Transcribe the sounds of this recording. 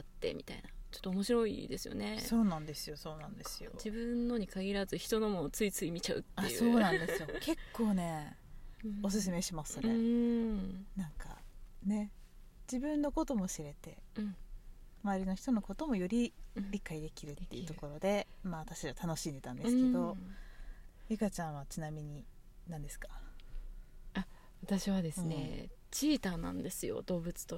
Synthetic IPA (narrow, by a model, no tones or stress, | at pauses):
at̪ːe̞̰mʲit̪ainat͡ɕot̪ːoːmo̞ɕiɾo̞ḭd̪e̞sɨjo̰ne̞sso̞ːnãnd̪e̞sɨjo̞so̞ːnãnd̪e̞sɨjo̰d͡ʑibɯ̟̃nːo̞ɲ̟ikaɡʲiɾazɨçi̥t̪o̞no̞mot͡sɨit͡sɨimʲit͡ɕaɯ̟̰t̪ːaso̞ːnãnd̪e̞sɨjo̞kʰe̞kʰːo̞ːne̞ | os̬ɨs̬ɨme̞ɕimasne | nãŋka̰ne̞ | d͡ʑibɯ̟̃nːo̞ko̞t̪o̞mo̞ɕiɾe̞t̪e̞ | maːɾʲino̞çi̥t̪o̞no̞ko̞t̪o̞mo̞jo̞ɾʲiɾʲikːaid̪e̞kʲiɾɯ̟t̪ːe̞iɯ̟t̪o̞ko̞ɾo̞d̪e̞maːβat̪aɕaiβat̪ano̞ɕĩnd̪e̞t̪ãnd̪e̞sɨke̞d̪o̞ | ikat͡ɕãɰ̃βat͡ɕinamʲiɲ̟i | nãnd̪e̞sɨ̥kḁ | a | βat̪aɕiβad̪e̞sɨne̞̰ | t͡ɕiːt̪anã̰nd̪e̞sɨjo̰d̪o̞ːbɯ̟t͡sɨ̥t̪o